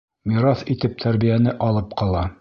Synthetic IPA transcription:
miɾɑθit̪ɘp̚t̪ʰæɾbijænɘʔɒlˠɤp̚qɒlˠɑ

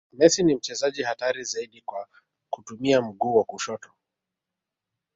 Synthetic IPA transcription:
mɛsinim̩t͡ʃɛzaʄihataɾizaiɗikwa | kutumiam̩ɠuːwakuʃɔtɔ̥

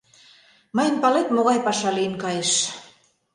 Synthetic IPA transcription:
məjə̆mpɑlet̪moɣɑjpɑʃɑlienkɑjeʃ

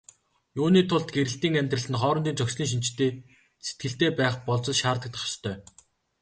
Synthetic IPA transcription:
juːniːt̪ʰʊɮt̪ɡeɾɘ̆ɬt̪iːŋæmʲt̪rə̆ɮɘ̆nχɔːɾɞnt̪iːnt͡sœksɮiːŋʃ̬int͡ɕʰt̪eː | set̪̚ɡɘ̆ɬt̪eːpæːχpɔɮt͡sɞ̆ɮʃaːrt̪ə̆k̚t̪χḁʃt̪ʰœː

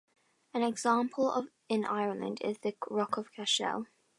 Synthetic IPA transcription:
ə̃nɛɡz̥ɑ̃ˑmpʰəlˠʌ̰v | ɪ̃nʔa̰ɪə˞lˠə̰̃ndɪ̰zðɨɹɒkʰəv̥kʰæʃɛ̰lˠ

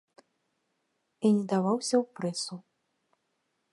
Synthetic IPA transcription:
inʲɛd̪avawsʲɐwpɾɛsu

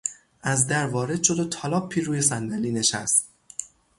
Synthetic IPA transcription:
ʔæzd̪æɾvɒːɾe̞d̪ʃo̞d̪ot̪ʰɒlɒːpʰːiːɾuːje̞sænd̪æliːne̞ʃæst̪̚

